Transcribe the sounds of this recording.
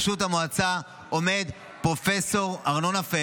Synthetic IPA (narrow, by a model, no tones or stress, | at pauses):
ʃutamoat͡sa | o̞me̞d̪ | pʁo̞fe̞so̞ʁaʁno̞nafe